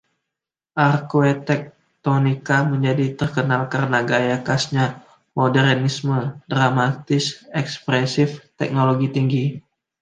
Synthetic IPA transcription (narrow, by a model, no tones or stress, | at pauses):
ʔarkoɛt̪ɛk̚ | t̪onikaməɲd͡ʒadit̪ərkənalkarənaɡajakasɲa | modɛrnismədɾamat̪ɪsɛkspɾɛsɪft̪ɛ̰k̚noloɡit̪iŋɡi